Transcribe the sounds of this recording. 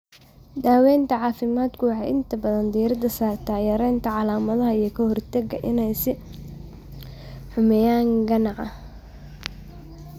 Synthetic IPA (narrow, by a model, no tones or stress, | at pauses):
d̪aːwɛːnt̪ʰɐʕɑːfɪmaːd̪kʰʊwɑħɑjɪnt̪ʰɐbɐðɐnd̪iːɾɐd̪ɐsaːrt̪ʰaːjɐɾɛːnt̪ʰɐʕɑlaːmɐðɐɦɐijɞkʰɐhɔrt̪ʰɐɡɐʔɪnɛjsɪ | ħʊmɛjaːŋɡɐnɑʕɐ